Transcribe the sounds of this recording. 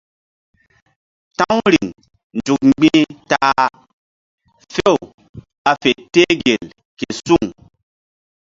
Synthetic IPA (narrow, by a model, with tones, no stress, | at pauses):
ta˦ŋɾi˨ŋ | n˨d͡ʒu˨k̚ŋ͡mɡ͡bi˦ta˦ | fe˦˨w | a˨fe˨te˦ɡe˨l | ke˨su˦˨ŋ